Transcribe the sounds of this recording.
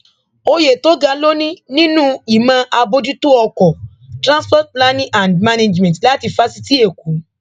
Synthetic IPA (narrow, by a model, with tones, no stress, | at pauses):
o˧je˨to˨˦ɡa˧lo˦nĩ˦nĩ˦nũ˦i˨mã˧ʔa˧bo˧di˦tu˦ɔ˧kɔ˨ | tɾã˦spɔ˦t̚la˦nĩ˦ʔã˨ndma˦ne˧d͡ʒmɛ̃˨tla˦ti˧fa˦si˧ti˦e˦˨ku˨˦